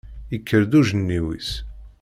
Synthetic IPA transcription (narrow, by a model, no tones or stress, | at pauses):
ikʰːəɾd̪uʒənːiwḭs